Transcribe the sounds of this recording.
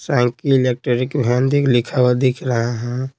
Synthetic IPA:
sãːŋkiɪlek̚ʈɾɔːɾikbʱɛ̃ːnd̪iklɪkʰawad̪ɪkʰɾəɦaɦɛ̃

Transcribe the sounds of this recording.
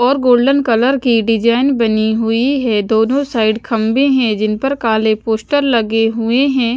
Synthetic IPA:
ɔːɾɡoːlɖənkɐləɾkiɖɪd͡ʒaːɪnbɐniɦʊiɦɛd̪oːnõsaːɪɖkʰɐ̃mbẽɦɛ̃d͡ʒɪnpɐɾkaːlepoːsʈəɾlɐɡeɦʊeɦɛ̃ː

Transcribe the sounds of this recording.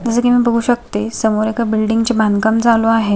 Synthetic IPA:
d͡zəsəːkimiːbəɡʱuːɕək̚t̪esəmoɾekabilɖiŋɡt͡ɕebʱãnkamd͡zaloaɦe

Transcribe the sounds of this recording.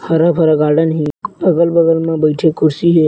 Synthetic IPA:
hɐɾapʰɐɾaɡaːɾɖənɦĩɐɡəlbɐɡəlmẽbɐɪʈʰekʰʊɾsiɦeː

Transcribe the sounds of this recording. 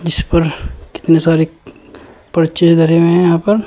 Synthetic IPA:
d͡ʒɪspɐɾkɪ̥t̪nesaːɾe | pɾɐt͡ʃeʃɡʱɐɾemẽɦɛ̃jɐɦãːpɐɾ

